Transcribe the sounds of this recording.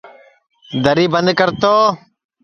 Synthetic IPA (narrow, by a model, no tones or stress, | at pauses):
d̪əɾiːbənd̪kəɾt̪oː